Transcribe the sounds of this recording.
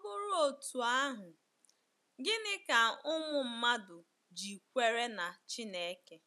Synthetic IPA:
ɔ˦bʊ˦ɾʊ˦o˨tu˨a˦ɦʊ˨ | ɡɪ˦nɪ˦ka˨ʊ˦mʊ˨m̩˦ma˦dʊ˨ | d͡ʒi˨kʷe˦ɾe˦na˨t͡ʃi˦ne˦ke˦

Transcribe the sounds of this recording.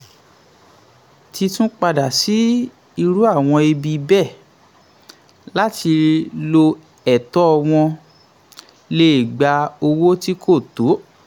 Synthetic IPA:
ti˧tũ˦k͡pa˧da˨si˨˦ | i˧ɾu˦a˦˨w̃ɔ̃˧i˧bi˧bɛ˦˨ | la˦ti˧lo˧ | ɛ˨tɔ˦ɔ˧w̃ɔ̃˧ | le˦i˦˨ɡ͡ba˧o˧wo˦ti˦kʰo˦˨to˨˦

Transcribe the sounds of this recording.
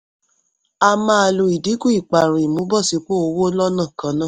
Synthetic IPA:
a˧mã˦a˨lo˨i˨di˨˦ku˦i˨k͡pa˨ɾ̃ũ˨i˨mũ˨˦bɔ˦˨si˧˦k͡po˦o˧wo˦lɔ˦nã˦˨kã˧˦nã˦˨

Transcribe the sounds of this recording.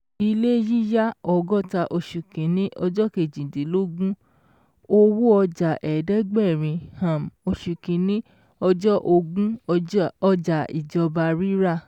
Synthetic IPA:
i˧le˦ji˦ja˦ɔ˨ɡɔ˦ta˧ʔo˧ʃu˨kĩ˨˦nĩ˦ʔɔ˧d͡ʒɔ˦ke˨d͡ʒĩ˨di˨˦lo˦ɡũ˦ | o˦wo˦ɔ˧d͡ʒa˨ʔɛ˨dɛ˦ɡ͡bɛ˦˨ɾ̃ĩ˧hã˨mo˧ʃu˨kĩ˨˦nĩ˦ | ɔ˧d͡ʒɔ˦ʔo˧ɡũ˦ | ɔ˧d͡ʒa˨ḭ˨d͡ʒɔ˧ba˧ɾi˦ɾa˦˨

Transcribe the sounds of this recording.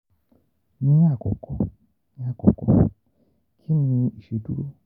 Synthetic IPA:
nĩ˦a˦˨kɔ˨kʰɔ˨ | nĩ˨˦a˦˨kɔ̰˨kɔ̰˨ | kʰi˦mĩ˧i˨ʃe˨du˦ɾo˦

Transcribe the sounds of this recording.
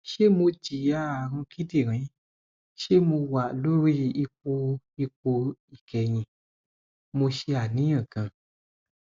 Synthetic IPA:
ʃe˦mõ˧d͡ʒi˨a˦˨ɦũ˧ki˦di˨ɾ̃ĩ˨˦ | ʃe˦mõ˧wa˨lo˦ɾi˦˨i˧k͡po˧ | i˧k͡po˧i˨kɛ˧ɲĩ˧ | mo˧ʃe˧a˨nĩ˨˦ã˨ɡã˨

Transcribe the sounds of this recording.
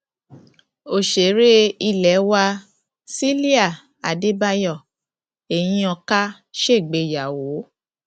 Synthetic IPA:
o˦˨ʃe˨˦ɾe˦i˧˨lɛ˨˦wa˧ | si˦li˦a˦˨ | a˨de˦ba˧jɔ˦˨ | e˨j̃ĩ˧ɔ̃˧ka˦ | ʃe˦˨ɡ͡be˧˨ja˨wo˨˦

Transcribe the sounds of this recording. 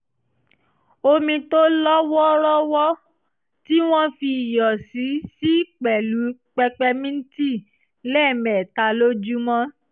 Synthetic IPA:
o˧mĩ˧to˦lɔ˦wɔ˦ɾɔ˦wɔ˦ | ti˦w̃ɔ̃˦fi˧˨jɔ˨si˨˦si˦k͡pɛ˨lu˨˦k͡pɛ˧k͡pɛ˧mĩ˦n̩˦ti˦˨ | lɛ˦˨mɛ˨ta˨˦lo˦d͡ʒu˦mɔ̃˦

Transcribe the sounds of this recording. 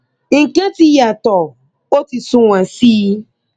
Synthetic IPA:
ŋ̩˨kɛ̃˦ti˦ja˨tɔ˨ | o˦ti˨sũ˨wã˨siː˦

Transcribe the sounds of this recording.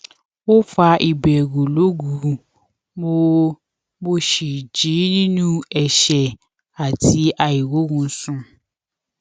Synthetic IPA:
wo˦fa˧ʔi˨bɛ˨ɡu˨lo˨˦ɡu˨˦ | mo˧ | mo˦ʃi˨d͡ʒi˨˦nĩ˦nũ˦ɛ˨ʃɛ˨ | a˨tʰi˧˦a˨i˨wo˨˦ɡũ˧˦sũ˦

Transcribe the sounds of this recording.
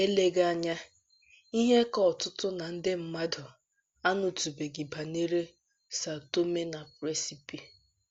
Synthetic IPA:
e˦le˦ɡa˦a˦˨ɲa˦ | i˦ɦe˦kɔ˦˨tʊ˦tʊ˦na˨n̩˦dɪ˦m̩˦ma˦dʊ˨ | a˦nʊ˨tu˨be˨ɡi˨ba˨ne˦ɾe˦ | sa˨to˦me˦na˨pɾe˦si˨pi˨

